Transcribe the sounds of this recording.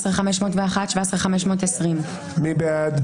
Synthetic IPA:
sʁχameʃmo̞ːtveaχatʃvasʁχameʃmo̞ːtesʁim | mibead̪

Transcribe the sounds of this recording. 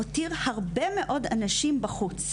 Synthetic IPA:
otiʁhaʁbe̞me̞ʔo̞da̰naʃimbaχut͡s

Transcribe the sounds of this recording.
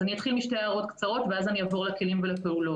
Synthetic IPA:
anijat̪χilmiʃtejaʁo̞t̪kt͡saʁo̞t̪veazaniaːvo̞ʁlake̞limvelape̞ulo̞

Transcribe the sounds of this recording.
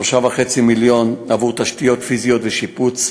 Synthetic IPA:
ʃavaχet͡similjo̞navuʁt̪aʃtijotfizijotveʃiput͡s

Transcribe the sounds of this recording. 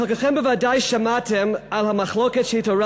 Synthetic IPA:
əkəχɛnbəvadajʃamatʰɪmalˠhamaχlˠokɛdʃiːtɔɹa

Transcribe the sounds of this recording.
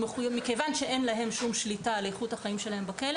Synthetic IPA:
meχujemikejvanʃeʔenlaɦe̞mʃumʃlitalejeχuthaχaimʃelaɦembakele

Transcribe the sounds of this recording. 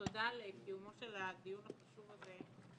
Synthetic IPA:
od̪alekiumoʃelad̪ijunaχaʃuvaze

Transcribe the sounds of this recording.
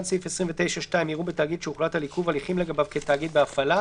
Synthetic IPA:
nsifesʁimvet̪e̞jʃaʃtaimiʁubetaːɡid̪ʃeuχlathalikuvaliχimleɡabavketaːɡid̪beafala

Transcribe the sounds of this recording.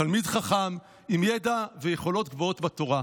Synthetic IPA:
talmidχaχam | imjedavejeχo̞lo̞t̪ɡvootbato̞ʁa

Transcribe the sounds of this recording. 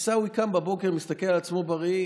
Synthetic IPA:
sawikambabo̞ke̞ʁmist̪ake̞lalat͡smo̞baʁi

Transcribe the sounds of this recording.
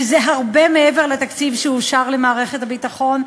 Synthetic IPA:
zeɦaʁbemeeve̞ʁlet̪akt͡sivʃeuʃaʁlemaːʁe̞χethabit̪aχo̞n

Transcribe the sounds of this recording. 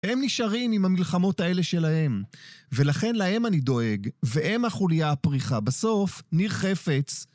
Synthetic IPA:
emniʃaʁimimhamilχamo̞tae̞le̞ʃe̞lahe̞mve̞laχe̞nlahe̞manido̞e̞ɡveʔemaχulijapʁiχabaso̞fniʁχe̞fe̞t͡s

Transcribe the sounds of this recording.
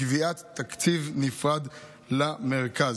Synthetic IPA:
viat̪ːakt͡sivnifʁad̪ | lameʁkaz

